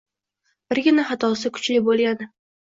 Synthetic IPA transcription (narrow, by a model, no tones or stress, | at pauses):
b̥ɪɾɡʲɪnaχat̪ʰɒsɪkʰʊ̥t͡ʃlɪbolˠɡʲanɪ